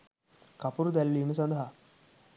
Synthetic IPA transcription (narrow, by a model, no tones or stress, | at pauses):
kapuɾud̪ɛlːimis̬ə̃nd̪ʱɦa